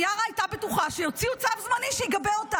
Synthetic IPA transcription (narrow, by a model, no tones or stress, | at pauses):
jalajt̪abet̪uχaʃejot͡siut͡savzmaniʃiɡabelot̪a